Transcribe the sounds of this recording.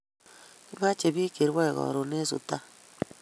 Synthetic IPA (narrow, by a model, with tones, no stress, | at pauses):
βa˦t͡ʃe˨βi˦ke˨ɾwɛ˦˨ɣɔ̰˨ɾo˨ne˦sṵ˨ta˦